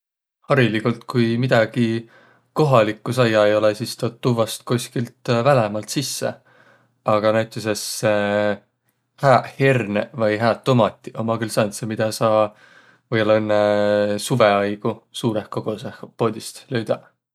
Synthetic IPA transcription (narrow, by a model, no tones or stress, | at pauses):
hɑɾilikult̪kujmid̪̥ɑɡ̥i | ko̞ɦɑlikːˑusɑjːɑejo̞lesist̪ot̪ːuvɑst̪̚kusʲkilt̪vælemɑlt̪sisːḛ | ɑɡ̥ɑnæɥt̪ːˑis̬esːe | hæːhernevɑjɦæːt̪ːomɑt̪ːˑiʔomːɑkylsɑnsemid̪̥ɑsɑː | vɯjolenːesuveɑjɡ̥usuːɾehkoɡ̥o̞sehpo̞ːd̪ist̪løɥd̪̥ɑ